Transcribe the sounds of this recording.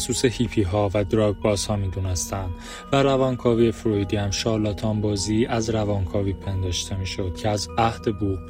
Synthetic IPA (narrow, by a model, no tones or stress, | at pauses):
suːsehiːpʰiːɦɒːvæd̪ɾɒɡ̚bɒːz̥hɒːmiːd̪unest̪ænd̪̥ | væɾævɒːŋkʰɒːviːe̞fɾoid̪iæmʃɒːlɒːt̪ʰɒːmbɒːziːʔæzɾævɒːŋkʰɒːviːpʰe̞nd̪ɒːʃt̪ʰe̞miːʃo̞d̪̥cʰeæzæhd̪̥e̞bu